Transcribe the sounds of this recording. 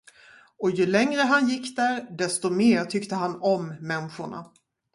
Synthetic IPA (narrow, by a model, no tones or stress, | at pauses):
ɔjɵlɛŋɾəɦanjɪkːd̪æɾɖɛst̪ɔmeːɾʈʰʏkt̪əɦanɔmːɛnɧʊɳa̰